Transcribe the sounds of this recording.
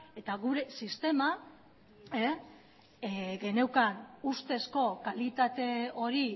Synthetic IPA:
e̞t̪aɣuɾe̞sist̪e̞ma | e | ɡe̞ne̞wkanust̪e̞sko̞kalit̪at̪e̞o̞ɾi

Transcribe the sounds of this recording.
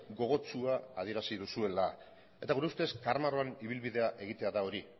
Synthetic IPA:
ɡo̞ɣ̞o̞t͡suaað̞ie̞ɾasiðusue̞la | e̞t̪aɣuɾeust̪e̞skaɾmaɾo̞aniβ̞ilβiðe̞aʔe̞ɣ̞it̪e̞aðao̞ɾi

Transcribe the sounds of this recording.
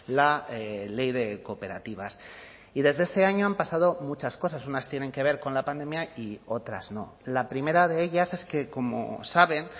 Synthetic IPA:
laele̞jðe̞ko̞pe̞ɾa̰t̪iβ̞as | iðe̞zðe̞ste̞aɲo̞ampasaðo̞mut͡ʃasko̞sasunast̪je̞ne̞ŋke̞β̞e̞ɾko̞nlapand̪e̞mjaio̞t̪ɾa̰zno̞̰ | lapɾime̞ɾaðe̞eʎase̞ske̞ko̞mo̞̰saβe̞n

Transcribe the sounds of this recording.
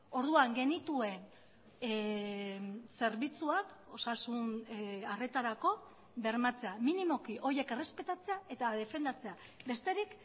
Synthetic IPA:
o̞ɾðuaŋɡe̞nit̪ue̞n | se̞ɾβit͡suako̞sasunare̞t̪aɾako̞ | be̞ɾmat͡se̞aminimo̞kiʔo̞je̞kere̞spe̞t̪at͡se̞ae̞t̪aðe̞fe̞nd̪at͡se̞abe̞st̪e̞ɾik

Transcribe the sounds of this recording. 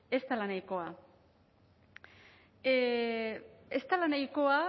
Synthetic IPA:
e̞st̪alanajko̞a | e̞st̪alanajko̞a

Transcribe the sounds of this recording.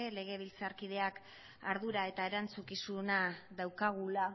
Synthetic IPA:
ele̞ɣ̞e̞β̞ilt͡saɾkið̞e̞ak | aɾðuɾae̞t̪ae̞ɾant͡sukisunaðawkaɣ̞ula

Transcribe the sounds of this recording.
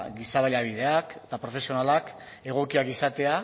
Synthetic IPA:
ɡisaβaʎaβ̞ið̞e̞akt̪apɾo̞fe̞sio̞nalak | e̞ɣ̞o̞kiakisat̪e̞a

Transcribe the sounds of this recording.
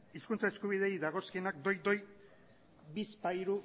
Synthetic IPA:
iskunt͡saeskuβ̞ið̞e̞jðaɣ̞o̞skienak̚d̪o̞jd̪o̞j | bispaiɾu

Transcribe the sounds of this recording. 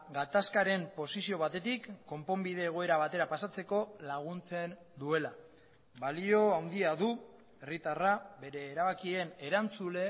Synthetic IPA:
ɡat̪askaɾe̞mpo̞sisio̞βat̪e̞t̪ikːo̞mpo̞mbiðe̞ːɣ̞o̞e̞ɾaβ̞at̪e̞ɾapasat͡se̞ko̞laɣ̞unt͡se̞n | d̪ue̞la | βalio̞awnd̪iaðu | e̞rit̪araβe̞ɾe̞ːɾaβakie̞ne̞ɾant͡sule̞

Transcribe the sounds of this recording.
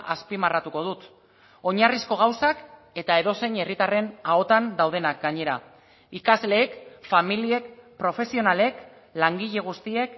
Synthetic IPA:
ʔaspimarat̪uko̞ð̞ut̪ | o̞ɲarisko̞ɣ̞awsak | e̞t̪ae̞ðo̞se̞ɲe̞rit̪are̞nao̞t̪and̪awð̞e̞nak̚ɡaɲe̞ɾa̰ | ikazle̞ːkfamilie̞kpɾo̞fe̞sio̞nale̞k | laŋɡiʎe̞ɣ̞ust̪ie̞k

